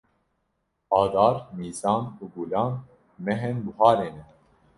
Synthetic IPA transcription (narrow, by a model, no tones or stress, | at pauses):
ɑːd̪ɑːɾmiːzɑːnuːɡulɑːn | mɛɦɛnluhɑːɾeːnɛ